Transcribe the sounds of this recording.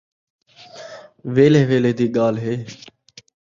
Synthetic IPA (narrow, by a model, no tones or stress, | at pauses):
ʋeːleːʋeːleːd̪iːɠaːlɦeː